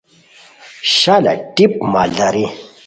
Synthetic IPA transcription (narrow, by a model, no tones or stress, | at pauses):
ɕala̰ʈip̚maɮaɾi